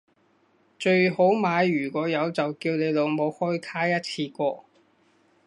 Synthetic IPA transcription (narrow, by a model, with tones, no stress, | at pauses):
t͡ʃɵ˧ɥho˨˥wmaː˨˧jyː˨˩kʷɔː˨˥jɐ˨˧wt͡sɐ˨wkiː˧wne˨˧jlo˨˧wmo˨˧whɔː˥jt̪ʰaː˥jɐ˥t̚t͡sʰiː˧kʷɔː˧